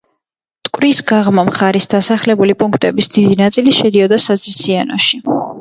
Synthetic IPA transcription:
t̪ʼkʼwɾisɡaʁmamχaɾisd̪asaχlɛbulipʼuŋkʰt̪ʼɛbisd̪id̪inat̪sʼiliʃɛd̪iɔd̪asazit̪sʰianɔ̰ʃi

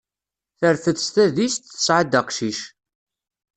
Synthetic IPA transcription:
θəɾθəθst̪æðist̪θə̥sʕəd̪əqʃiʃ

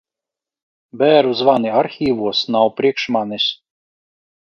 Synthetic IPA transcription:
bæːɾuzvaniaɾxʲiːvuɔsnawpɾiɛkʃmanis

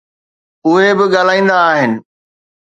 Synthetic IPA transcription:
ʊɦebɪɠaːl̤aːĩːnd̪aːɦɪnɪ̆

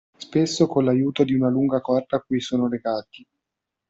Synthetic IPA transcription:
spesːokolajuːt̪od̪iunaluŋɡakɔrt̪aːkːujsoːnoleɡaːt̪i̥

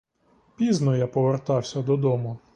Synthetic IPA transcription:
pʲiznɔjapɔʋert̪ɑwsʲɐd̪ɔd̪ɔmʊ

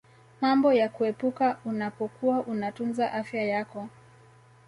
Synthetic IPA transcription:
mambɔjakuɛpukaunapɔkuwaʔunatunzaʔafjajakɔ

